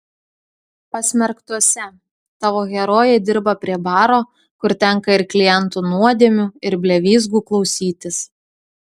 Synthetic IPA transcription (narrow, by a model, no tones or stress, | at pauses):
pɐsʲmʲɛɾkt̪uɔsʲɛ | t̪ɑːʋoːɣʲɛɾoːjɛd̪ʲɪɾbɐpʲɾʲiɛbɑːɾoː | kʊɾt̪ʲɛŋˑkɐɪɾklʲɪjɛnˑt̪uːnuɔd̪ʲiɛmʲuːɪɾbʲlʲɛʋʲiːzɡuːklˠɒʊsʲiːt̪ʲɪs